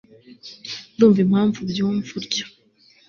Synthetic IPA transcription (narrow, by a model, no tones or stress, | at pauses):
duːɱvim̥haːɱvubjuːɱvuɾɟo̥